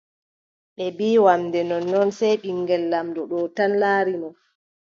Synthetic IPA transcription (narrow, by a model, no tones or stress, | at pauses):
ɓɛbiːwamdɛnɔnːɔnsɛjɓiŋɡɛlːamdɔɗɔtanlaːɾinɔ